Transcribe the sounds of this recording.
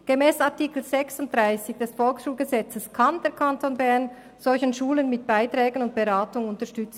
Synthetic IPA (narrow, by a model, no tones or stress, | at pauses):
ɡ̥emɛːsaɐtiːkl̩z̥ɛksʊnt̚d̥ʁaɪsɪç̥d̥ɛsfɔlksʃuːlɡəzɛt͡səskʰand̥eːɐkʰantʰoːnbɛɐn | z̥ɔlçənʃuːlənmɪt̚b̥aɪtʁɛːɡənʊnt̚b̥eʁaːtʊŋʊntəɐʃtʏt͡s